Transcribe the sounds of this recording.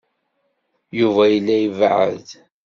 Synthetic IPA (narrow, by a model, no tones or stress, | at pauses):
juvæjəlːæjəvʕə̰ð